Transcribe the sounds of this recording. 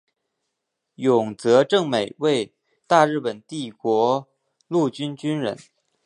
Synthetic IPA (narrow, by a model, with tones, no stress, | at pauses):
jʊ˨˩ŋt͡sɤ˧˥ʈ͡ʂɤ˥˩ŋme˨˩ɪwe˥˧ɪ | t̪a˥˧ɻɻ̩˥˩pə˨˩nt̪i˥˩kwɔ˧˥ | lu˥˩t͡ɕy˥nt͡ɕy˥nɻə˧˥n